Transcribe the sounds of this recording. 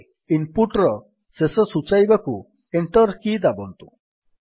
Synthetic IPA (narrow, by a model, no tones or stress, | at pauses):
impuʈɾɔ | sesɔsut͡ʃajbaku | eɳʈɔɾkid̪abɔnt̪u